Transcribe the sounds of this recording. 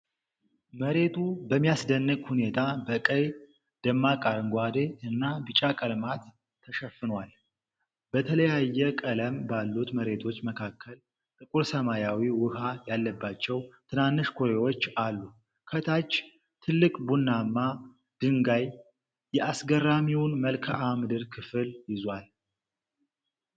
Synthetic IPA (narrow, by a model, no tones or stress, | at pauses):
məɾe̞t̪ʰubəmːijasd̪ənːɨkʼhune̞t̪ʰabəkʼəj | d̪̥əmːakʼaɾŋɡʷad̪eɨnːabɨt͡ʃʼakʼəlmat̪ʰː | əʃəfːɨnwal | bət̪ʰələjajːɛkʼələmbalːut̪məɾe̞t̪ʰo̞t͡ʃːməkʰakʰːəl | t̪ʼɨkʼuɾsəmajawiwʊhajalːəbːat͡ʃːɛwt̪ʰɨnanːɨʃkʰoɾewo̞t͡ʃːalːu | kʰət̪ʰat͡ʃː | t̪ʰɨlːɨkʼbunːamːa | d̪̥ɨŋɡaj | jɛʔasɡəramiwʊnməlkʰaʔamɨd̪ɨɾkʰɨfɨljɪzwal